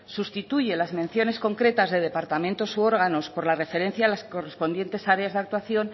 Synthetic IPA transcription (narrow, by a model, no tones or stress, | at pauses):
sust̪it̪uʝe̞lazmẽ̞nθjo̞ne̞sko̞ŋkɾe̞t̪azðe̞ð̞e̞paɾt̪amẽnt̪osuo̞ɾɣ̞ano̞spo̞ɾlare̞fe̞ɾe̞n̟θjaːlasko̞re̞spo̞nd̪je̞nt̪e̞saɾeazðak̚t̪waθjo̞n